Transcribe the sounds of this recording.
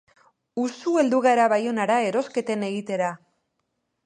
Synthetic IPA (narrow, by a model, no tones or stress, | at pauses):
usue̞ld̪uɣaɾaβajo̞naɾae̞ɾo̞ske̞t̪e̞ne̞ɣit̪e̞ɾa